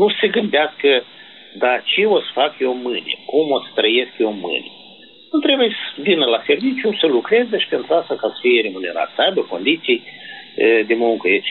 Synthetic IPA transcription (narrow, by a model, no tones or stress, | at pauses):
nuseɡɨnd̪easkə | d̪at͡ʃeo̞t̪sfakjo̞mɨnʲḛkumo̞t̪st̪ɾəje̞skʲjomɨ̰nʲe | nut̪ɾe̞bujesvinəlase̞rvit͡ʃjusəlukɾe̞zəʃi̥pe̞nt̪ɾuast̪akasə̥fijeɾe̞mune̞ɾa̰t̪səajbəko̞nd̪it̪sij | d̪emuuŋkəjet͡ʃ